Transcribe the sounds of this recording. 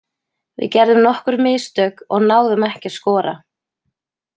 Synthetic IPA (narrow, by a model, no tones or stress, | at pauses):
vɪ̰ðcɛɾðʏmnɔhkʏɾmɪːst̪œːkɔɣnaːwðʏmɛhcɪḁskɔːɾa̰